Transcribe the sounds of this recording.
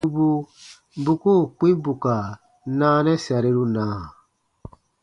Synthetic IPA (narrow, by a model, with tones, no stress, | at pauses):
u˦bu˦ | bu˦ko˦˨k͡pĩ˦bu˨ka˨ | nãː˦nɛ˦sa˨ɾe˦ɾu˦nãː˨